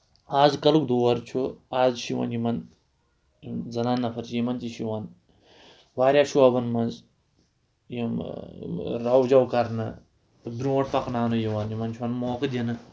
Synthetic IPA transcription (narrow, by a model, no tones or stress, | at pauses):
aːzkɐlukd̪oːwɐɾt͡ʃʰuaːzʃiwɐ̰njimɐn | zɐnaːnːɐfʰɐɾt͡ʃijimɐnt̪iʃiwɐn | ʋaːɾʲjaːʃuɐbɐnmɐnz | jim | ɾɐwd͡ʒɐwkɐɾnɨ̰ | b̪ɾũwɐʈpɐknaːnujiwanjimɐnt͡ʃʰuɐnmoːkɨd̪ʲjɐnɨ